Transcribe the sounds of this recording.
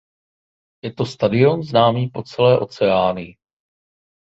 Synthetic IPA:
jɛt̪o̞st̪adɪo̞nznaːmiːpo̞t͡sɛlɛːʔo̞t͡sɛaːnɪ

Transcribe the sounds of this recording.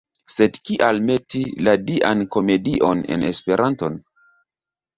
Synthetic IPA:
se̞dkiʔalme̞tiladiʔanko̞me̞diʔo̞ne̞̰ne̞spe̞ɾʔanto̞n

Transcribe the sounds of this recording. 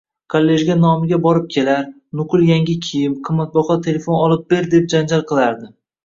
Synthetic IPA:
kʰolːe̞ʒɡʲanɒmɪɡʲabɒɾɪp̚kʲʰe̞laɾ | nʊqɨlˠjaŋɡʲɪkʲʰijɪmqʰɨmːat̪̚bɒχɒt̪ʰe̞le̞fo̞nɒlˠɪp̚be̞ɾd̪e̞p̚d͡ʒand͡ʒalˠqʰɨlˠaɾd̪ɪ

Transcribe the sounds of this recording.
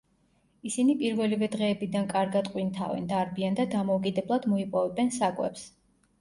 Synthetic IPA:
isinipʼiɾvɛlivɛd̪ʁɛːbid̪ankʼaɾɡat̪qʼwint̪ʰa̰vɛ̰nd̪aɾbiand̪ad̪amɔukʼid̪ɛblˠad̪mɔipʼɔvɛbɛnsakʼwɛ̰ps

